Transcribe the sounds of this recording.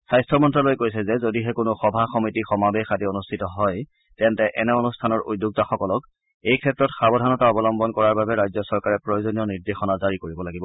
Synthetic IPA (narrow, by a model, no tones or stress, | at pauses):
sajstʰɔmɔntɹalojkojsɛzɛzodiɦɛkʊnoxɔbʱaxɔmitixɔmabexadionustʰitɔɦɔj | tɛntɛʔɛnɛonustʰanɔɹʔṵdːuk̚taxɔkɔlɔk | ejkʰɛtɹɔtxabɔdʱanɔtaɔbɔlɔmbɔnkɔɹaɹbabɛɹajzɔsɔɹkaɹɛpɹojozonijɔniɹdexɔnazaɹikoɹibɔlaɡibɔ